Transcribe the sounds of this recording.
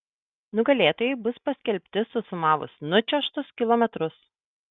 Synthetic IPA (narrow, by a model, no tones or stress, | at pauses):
nʊɡɐlʲeːt̪oːjɛɪbʊspɐsʲkʲɛlʲpʲt̪ʲɪsʊsʊmɑːʋʊ̰snʊt͡ʃʲɛʃt̪ʊskʲɪlˠɔːmʲɛt̪ɾʊs